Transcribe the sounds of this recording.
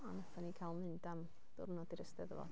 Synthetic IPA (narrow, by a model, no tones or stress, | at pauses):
anəfʰanikʰalˠnɪndam | d̥ʊ̰rnɔdiɾəstɛðəvɔ̰